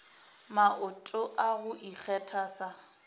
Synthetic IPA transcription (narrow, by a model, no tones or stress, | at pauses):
maʔʊtʼʊʔaɣʊʔik͡xʰɛtʰasa